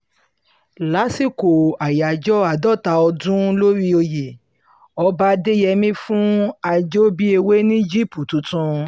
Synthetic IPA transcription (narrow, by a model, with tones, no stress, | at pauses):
la˨˦si˦˨ko˨a˨ja˨d͡ʒɔ˦a˦˨dɔ˦˨ta˧ɔ˧dũ˦lo˦ɾi˦o˧je˨ | ɔ˧ba˧˦de˦jɛ˧mĩ˦fũ˦a˧d͡ʒo˦bi˦e˧we˦nĩ˦d͡ʒi˦˨pu˨tũ˨˦tũ˧